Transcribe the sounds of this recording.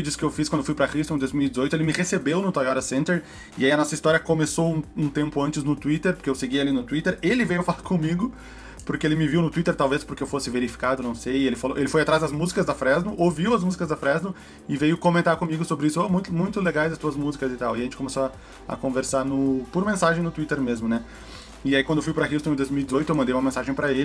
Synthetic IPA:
id͡ʒʊskɪewfiskɐ̃d̪eofujpɾɐkɾiʃt̪õd̪ojzmiwidd͡ʒɪzojt̪ʊelɪmɪhesebewnʊt̪ajɔɾɐsẽnt̪eɾ | ɪaiɐnɔsɐist̪ɔɾjɐkomesowũũt̪ẽmpʊɐ̃nt͡ʃɪznʊt̪uit̪eɾpoɾkeewseɡijɐlinʊt̪uit̪eɾelɪvejʊfalaɾkõmiɡʊ | pʊɾkeelɪmɪviwnʊt̪uit̪eɾt̪awvespʊɾkeewfosɪveɾifi̥kad̪ʊwnɐ̃w̃sejelɪfalowʔelɪfojat̪ɾazd̪ɐzmuzikɐzd̪ɐfɾɛznʊʔoviwɐzmuzikɐzd̪ɐfɾɛznʊ | ɪvejʊkõmẽnt̪aɾkõmiɡʊsobɾɪisʊomũj̃t̪ʊmũj̃t̪ʊleɡajzɐst̪uɐzmuzikɐzɪt̪awɪɐʒẽnt͡ʃɪkomesoɐ | ɐ̰kõveɾsaɾnʊpʊɾmẽsaʒẽj̃nʊt̪uit̪eɾmezmʊnɛ | ɪaikɐ̃nd̪ewfujpɾɐɦist̪õd̪ojzmiwid̪ɪzojt̪ʊewmɐ̃nd̪ejumɐmẽsaʒẽj̃pɾɐelɪ

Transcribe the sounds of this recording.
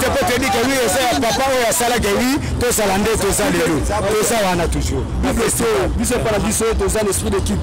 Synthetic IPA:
kepɔtdikewiezajapapaojojasalak̬eeɡi | tozalandetozalelo | tozawanatuʒuʁbibesobis̬oepanabisotozanespʁidekip

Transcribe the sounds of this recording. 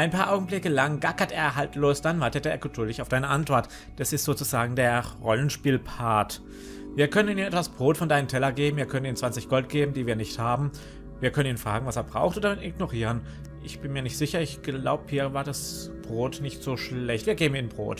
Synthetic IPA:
ʔaɪnpʰaːɐʔaʊɡŋ̩blɪkəlaŋɡakateːɐɦaltʰloːsd̥anvaɐtətəḛːɐɡədʊɐlɪçaʊfd̥aɪnəʔantv̥ɔɐt | d̥asɪstz̥oːt͡suzaːɡŋ̩deːɐʁɔlənʃpiːlpʰaɐt | viːɐkʰœnəniːniːnɛtv̥asb̥ʁoːtfɔndaɪnəntʰɛlɐɡeːbm̩viːɐkʰœnəniːnt͡sv̥ant͡sɪçɡ̥ɔlt̚ɡ̥eːbm̩diːviːɐnɪçthaːbm̩ | viːɐkʰœnəniːnfʁ̥a̰ːɡŋ̩vaseːɐbʁa̰ʊxtoːdɐmɪtʔɪɡnoʁiːʁən | ʔɪçb̥ɪnmiːɐnɪçtz̥ɪçɐɪçɡ̥la̰ʊbəhiːɐvaːɐdasb̥ʁoːtnɪçtz̥oːʃlɛçtv̥iːɐɡeːbm̩iːnbʁo̰ːt

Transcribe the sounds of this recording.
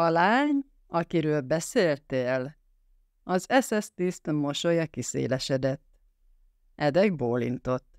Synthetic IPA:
ɒlaːɲ | ɒkiɾøːlbɛseːlt̪eːl | ɒzɛsɛst̪ist̪mo̞ʃojɒkisḛːlɛʃɛd̪ɛt̪ː | ʔɛd̪ɛɡ̚boːlḭnt̪o̞t̪ː

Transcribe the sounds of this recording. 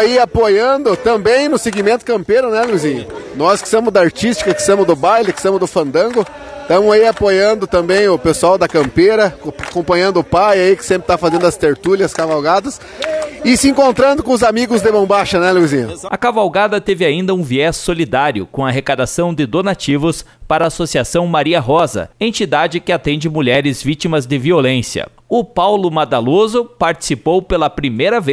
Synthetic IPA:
aiapojɐ̃nd̪ʊt̪ɐ̃mbẽj̃nʊseɡimẽnt̪ʊ̥kɐ̃mpeɾʊnɛluizĩɲʊnɔskɪ̥sɐ̃mʊzd̪ɐaɾt͡ʃist͡ʃi̥kɐkɪ̥st̪ɐ̃mʊzd̪ʊbajlɪkɪ̥st̪ɐ̃mʊzd̪ʊfɐ̃nd̪ɐ̃ŋɡʊ | t̪ɐ̃mʊzaiapojɐ̃nd̪ʊt̪ɐ̃mbẽj̃ʊpesuawd̪ɐkɐ̃mpeɾɐkakõmpɐ̃ɲɐ̃nd̪ʊʊpajaikɪ̥sẽmpɾɪt̪afazẽnd̪ʊɐst̪eɾt̪ulʲjɐskavawɡad̪ɐs | ɪsɪĩkõnt̪ɾɐ̃nd̪ʊkõʊzamiɡʊzd̪ɪbɐ̃w̃baʃɐnɛluizĩɲɐɐkavawɡad̪ɐt̪evɪaĩnd̪ɐũviɛsːolid̪aɾjʊ̰kõɐaɦekad̪asɐ̃w̃d̪ɪd̪onat͡ʃivʊspaɾɐaːsosiasɐ̃w̃maɾiɐɦɔzɐ̰ẽnt͡ʃid̪ad͡ʒɪkɪat̪ẽnd͡ʒɪmuʎɛɾɪzvit͡ʃimɐzd̪ɪviolẽsiɐ̰ | ʊpawlʊmad̪alozʊpaɾt͡ʃi̥sipowpelɐpɾimejɾɐve

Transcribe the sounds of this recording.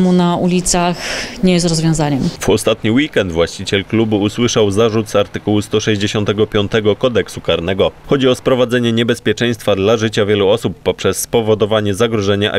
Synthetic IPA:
munaʔulʲit̪saxɲɛjɛs̬t̪ɾɔzvʲjɔ̃w̃zaɲɛmvɔst̪at̪ɲiwikɛnd̪vwaɕt͡ɕit͡ɕɛlklubuuswɘʂawzaʐut̪zaɾt̪ɘkuwust̪ɔʂɛʑd͡ʑeɕɔnt̪ɛɡɔpʲjɔnt̪ɛɡɔkɔd̪ɛksukaɾnɛɡɔxɔd͡ʑiɔspɾɔvad̪zɛɲɛɲɛbɛspʲjɛt͡ʂɛ̃j̃st̪fad̪laʐɘt͡ɕavʲjɛluɔsupːɔpʂɛsːpɔvɔd̪ɔvaɲɛzaɡɾɔʐɛɲɛʔa̰

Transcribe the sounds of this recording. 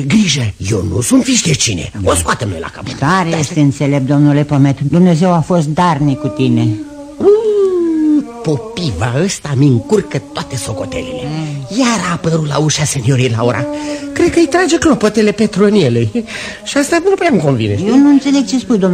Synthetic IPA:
ɡɾiʒəje̞̰wnṵsunt̪fiʃd̪et͡ʃine̞̰oskoat̪emno̰jla̰ka̰pot̪t̪aɾejest̪eɨnt̪se̞le̞p̚d̪o̞mnule̞po̞me̞t̪d̪umne̞ze̞wafo̞st̪̚d̪arnikut̪ine̞ | po̞piva̰əst̪amiɨŋkurkət̪oat̪e̞so̞ko̞t̪ḛlḛlejaɾapəɾula̰uʃase̞nio̞ɾiejla̰oɾʔa̰kɾed̪̚kəɨjt̪ɾad͡ʒe̞klopot̪ele̞pet̪ɾuɨnjele | ʃiast̪anupuamko̞nvḭneʃjenuɨnt̪se̞le̞ɡ̚t͡ʃespujd̪om

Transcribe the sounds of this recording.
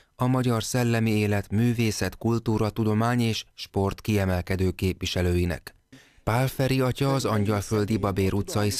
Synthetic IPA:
ɒmɒɟɒrsɛlːɛmieːlɛt̪myːveːsɛt̪kult̪uːɾɒt̪ud̪o̞maːɲeːʃʃpo̞rt̪kiɛmɛlkɛd̪øːkeːpʋiʃɛløːjinɛ̰k | paːlfɛɾiɒcɒːzɒɲɟɒlfø̞ld̪ibɒbeːɾut̪sɒji

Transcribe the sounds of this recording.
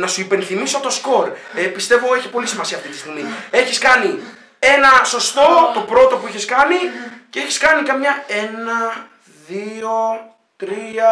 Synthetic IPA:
nɐsuipe̞nθimiso̞t̪o̞sko̞ɾepist̪e̞vo̞eçi̥po̞lisimɐsiɐːft̪it̪ist̪iɣmie̞çiskɐni | e̞nɐso̞st̪o̞t̪o̞pɾo̞t̪o̞pueçeskɐnice̞eçiskɐnikɐmɲɐe̞nɐ | ðio | t̪ɾiɐ

